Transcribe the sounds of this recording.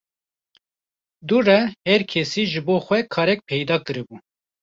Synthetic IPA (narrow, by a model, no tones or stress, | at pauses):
d̪uːrɛhɛɾkʰɛsiːʒɨboːxwɛkʰɑːɾɛk̚pʰɛjd̪ɑːkɨɾɨbu